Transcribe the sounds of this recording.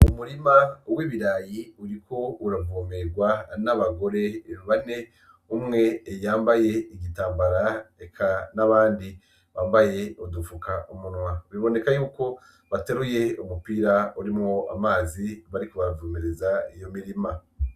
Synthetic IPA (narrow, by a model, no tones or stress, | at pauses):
umuɾimawiːβiɾaːjiuɾikʰo̞uɾavuːmeɾɡwanaβaɡo̞ɾe̞ββane̞ | umŋe̞jaːmbaje̞iɡitaːmbaɾaekʰanaβaːndi | βaːmbaje̞udufukaʔumunwaβiβo̞ne̞kajuːko̞ | βateɾuje̞umupiːɾauɾimŋoa̰maːziβaɾikuβavuːmeɾezaijo̞miɾima